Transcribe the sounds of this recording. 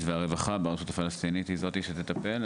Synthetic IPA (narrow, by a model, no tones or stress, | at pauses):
tveaʁevaχabeaʁtsut̪afalast̪init̪hizo̞t̪iʃet̪et̪ape̞l